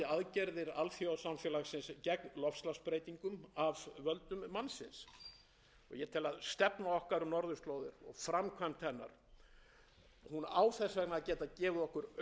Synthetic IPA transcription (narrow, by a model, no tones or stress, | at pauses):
ɪaðcɛɾðɪɾalθjɔsamfjɛːlaxsɪnscɛkmlɔfslaspɾeːjt̪iŋkʏmavvœlt̪ʏmːansɪ̰ns | ɔ̰ɣjɛt̪ʰɪlaðst̪ɛpnaɔhkaɾʏmnɔɾðʏst̪loːwðɪɾɔ̰ɣfɾamkʰvamt̪ʰɛnːa̰ɾ̥ | hunaːwθɛsvɛknaːcɛːt̪aðcɛːvʏɔhkʏɾ